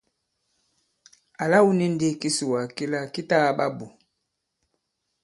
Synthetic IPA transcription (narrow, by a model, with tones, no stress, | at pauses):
a˨la˦wu˦ni˦n˦di˦ki˦su˨wa˨ki˦la˦ki˦ta˦ɣa˨ɓa˦bu˨